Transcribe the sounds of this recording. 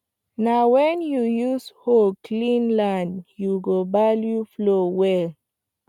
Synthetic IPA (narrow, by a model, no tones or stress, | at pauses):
nawɛ̃njujusholkʰlĩnlãnjuɡobaljuflowɛl